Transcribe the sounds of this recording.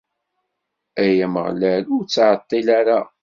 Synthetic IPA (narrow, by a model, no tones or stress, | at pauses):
æjæməʁlælʊɾt͡sːʕət̪ˤːilaɾa